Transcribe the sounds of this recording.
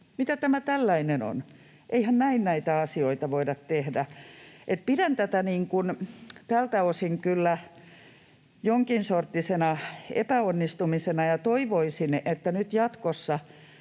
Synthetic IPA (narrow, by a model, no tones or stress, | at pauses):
mit̪æt̪æmæt̪ælːæineno̰n | ʔeihænnæinnæit̪æɑsioit̪ɑʋoidɑt̪t̪ehdæet̪̚pidænt̪æt̪æniːŋkunt̪ælt̪æosiŋkylːæ | joŋkinsort̪ːisenɑḛpæonːist̪umisenɑjɑt̪oiʋoisinet̪ːænyt̪jɑt̪kosːɑ